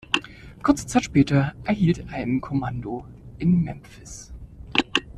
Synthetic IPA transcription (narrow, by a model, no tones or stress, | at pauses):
kʰʊɐt͡sə̥t͡saɪtʃpɛːtɐʔɛɐhiːltʔaɪnkʰɔmandoʔɪnmɛmfɪs